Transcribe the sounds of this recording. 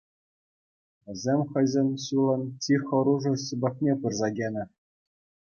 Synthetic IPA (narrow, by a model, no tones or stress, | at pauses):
ʋʲɘ̆zʲemʲχɤ̆jzʲenʲɕulˠɤ̆ntʲixɤ̆ɾuʐɤ̆ɕɯ̆bʲɑ̆k̚nʲepɯrzɑɡʲenʲɘ̆